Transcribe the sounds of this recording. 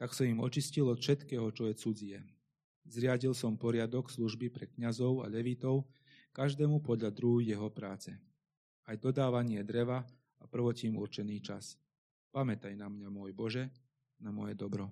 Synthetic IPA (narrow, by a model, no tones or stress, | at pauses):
t̪aksɔimɔt͡ʃiscilɔt̪fʃɛt̪kɛːɦɔt͡ʃɔjɛt͡sud͡ziɛ | zɾɪaɟilsɔmpɔɾɪad̪ɔksluʒbipɾɛkɲazɔʊa̰ʎɛʋit̪ɔʊ | kaʒd̪ɛːmupɔd̪ʎad̪ɾuɦjːɛɦɔpɾaːt͡sɛ | ajd̪ɔd̪aːʋaɲɪɛd̪ɾɛʋa | apr̩ʋɔcimṵɾt͡ʃɛniːt͡ʃas | pamɛt̪ajnamɲamʊɔjbɔʒɛ | namɔjɛd̪ɔbɾɔ